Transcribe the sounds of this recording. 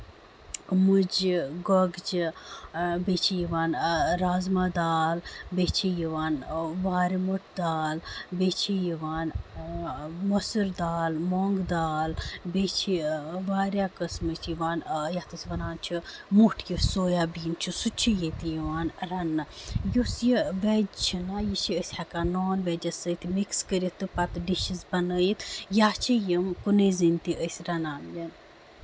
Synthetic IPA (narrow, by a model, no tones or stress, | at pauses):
mud͡ʒɡoɡt͡ʃi | bet͡ʃʰijiʋaːnɾaːzmaːd̪aːlbeːt͡ʃʰijiʋaːnʋaːɾimuʈd̪aːlbeːt͡ʃʰijiʋaːn | mosəɾd̪aːlmoːŋɡd̪aːlbeːt͡ʃʰiʋaːɾʲjaːkɐsmɨt̪ʰjiʋaːnjat̪ɨsʲiʋɐnaːnt͡ʃʰimuʈʰjisoːjaːbiːnt͡ʃʰusut͡ʃʰijet̪ijiʋaːnɾɐnːɨjusjiʋɛːd͡ʒt͡ʃʰinaːjit͡ʃʰiəsʲhɐkaːnoːnʋɛːd͡ʒɐsət̪ʰimikskəɾit̪ːɨpɐt̪ɖiʃizbɐnəːjit̪ʰjaːt͡ʃʰijəmkuneːzint̪iʔəsʲɾɐnaːnjɐn